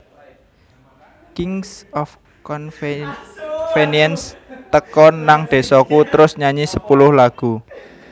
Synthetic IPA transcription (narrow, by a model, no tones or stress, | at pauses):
kɪŋsɔf | kɔn | fenjɛnst̪əkɔnːaŋd̪̥e̤sɔkut̪əɾʊsɲaɲisəpulʊhlaɡ̥ṳ